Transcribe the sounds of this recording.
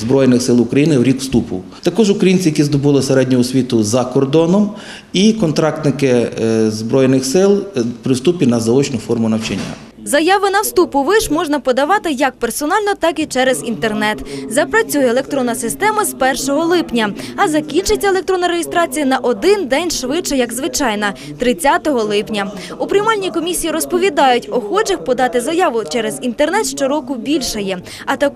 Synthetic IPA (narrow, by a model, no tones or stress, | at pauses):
zbɾɔjnɪxsɪlˠʊkɾɐjinɪwɾʲikwst̪upʊ̰ | t̪ɐkɔʒʊkɾɐjinʲt͡sʲijɐkʲizd̪ɔbɪlˠɪseɾɛdʲnʲʊɔsʲʋʲit̪ʊzɐkɔrd̪ɔnɔm | ikɔnt̪ɾɑk̚t̪nɪkɪzbɾɔjnɪxsɪlˠpɾɪwst̪upʲinɐzɐɔt͡ʃnʊfɔrmʊnɐwt͡ʃɐnʲːa̰ | zɐjɑʋɪnɐwst̪upʊʋɪʃmɔʒnɐpɔd̪ɐʋɑt̪ɪjɐk̚persɔnɑlʲnɔt̪ɑkit͡ʃɛɾezint̪ernɛt̪zɐpɾɐt͡sʲujɛːlˠe̞k̚t̪ɾɔnːɐsɪst̪ɛmɐzpɛrʃɔɦɔlˠɪpnʲɐɐzɐkʲint͡ʃɪt͡sʲːɐelˠek̚t̪ɾɔnːɐɾejist̪ɾɑt͡sʲijɐnɐʔɔd̪ɪnd̪ɛnʲʃʋɪt͡ʃɐjɐɡzʋɪt͡ʃɑjnɐ | t̪ɾɪt͡sʲːat̪ɔɦɔlˠɪpnʲɐ | ʊpɾʲɪmɑlʲnʲikɔmʲisʲijiɾɔspɔʋʲid̪ɑjʊtʲɔxɔd͡ʒɐxpɔd̪ɑt̪ɪzɐjɑʋʊt͡ʃɛɾezint̪ernɛt̪ʃt͡ʃɔɾɔkʊbʲilʲʃɐjɛ | ɐt̪ɐk